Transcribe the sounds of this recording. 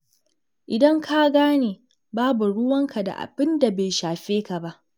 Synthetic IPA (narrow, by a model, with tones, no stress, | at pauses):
ʔɪ˨dɐ˦ŋkʰa˦ɡaː˦neː˨ | baː˦bu˨ɽʊ˦wɐ˦ŋkʰa˨da̰˨ʔa̰˨bɪ˦nda˨beː˨ʃaː˨ɸeː˦ka˨ba˦ʔ